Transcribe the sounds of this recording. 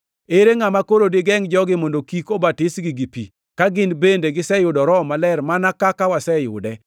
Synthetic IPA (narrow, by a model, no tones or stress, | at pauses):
eɾeŋamakoɾodɪɡɛŋd͡ʒɔɡɪmondokikobatɪsɡɪɡipḭ | kaɡɪnbendeɡɪsɛjʊdɔɾɔmalɛɾmanakakawasɛjʊ̰dɛ